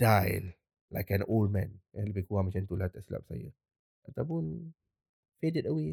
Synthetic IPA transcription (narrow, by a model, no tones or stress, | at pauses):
d̥ajl | la̰jkɛ̃noldmɛ̃naləbekuamat͡ʃant̪ulat̪aʔsila̰p̚sa̰jə̰ | ʔat̪awpʊn | fedɪtəwe